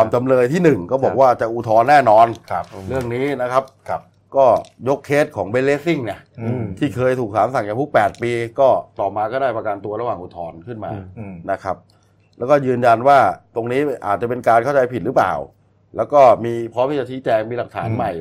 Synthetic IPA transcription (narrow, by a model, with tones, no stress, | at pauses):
a˧mt͡ɕa˧mlɤː˧jt̪ʰiː˥˩nɯ˨˩ŋkɔː˥˩bɔː˨˩k̚waː˥˩t͡ɕa˨˩ʔuː˧t̪ʰɔː˧nːɛː˥˩nɔː˧nʰɾɯ˥˩əŋniː˦˥na˦˥kʰa˦˥p̚ | kɔː˥˩jo˦˥kʰːeː˦˥t̪̚kʰɔː˩˦ŋbeː˦˧˥leː˦˥si˥˩ŋna˦˥t̪ʰiː˥˩kʰɤː˧jt̪ʰuː˨˩k̚sʰaː˩˦msa˨˩ŋt͡ɕaː˨˩tʰu˦˥k̚pɛː˨˩t̪̚piː˧kɔː˥˩t̪ɔː˨˩maː˧kɔː˥˩daː˥˩pa˧ka˧nt̪u˧ɐɾa˧waː˨˩ŋʔuː˧t̪ʰɔː˧nkʰɯ˥˩nma̰ːna˦˥kʰa˦˥p̚ | lɛː˦˥wkɔː˥˩jɯː˧nja˧nwaː˥˩t̪o˧ŋniː˦˥ʔaː˨˩t̪̚t͡ɕa˨˩pe˧nkaː˧nkʰa˥˩wt͡ɕa˧jpʰi˨˩ɾɯ˨˦˥pla̰ː˨˩w | lɛː˦˥wkɔː˥˩miː˧pʰɾɔː˦˥mʰiː˥˩t͡ɕa˨˩t͡ɕʰi˦˥t͡ɕɛː˧ŋmiː˧la˨˩k̚t̪ʰa̰ː˩˦nma˨˩j